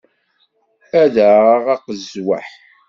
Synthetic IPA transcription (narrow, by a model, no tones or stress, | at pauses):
æðaʁɑqəzwa̰ħ